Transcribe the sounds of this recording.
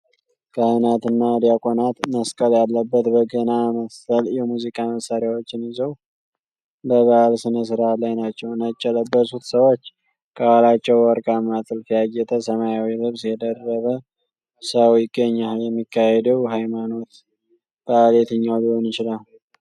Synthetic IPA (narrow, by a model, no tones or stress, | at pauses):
kʰanat̪ɨnːad̪jakʼonat̪nəskʼəljalːəbːət̪bəɡənaməst̪əljɛmuzikʼaməsaɾjawo̞t͡ʃːɪnɪzəw | ləβəʔalsɨnəs̬ɨɾalajnat͡ʃːɛwnət͡ʃʼːɛləbːəsut̪səwo̞t͡ʃː | kʰʼəwalat͡ʃːɛwwɔɾkʼamːat̪ʼɨlfijaɡːɛt̪ʼəsəmajawilɨβsjɛd̪ərːəβə | səwjɪɡːəɲːajɛmːikʰːahɛd̪əwɦajmano̞t̪ | b̥aalet̪ʰɨɲːawliho̞njɪt͡ʃɪlal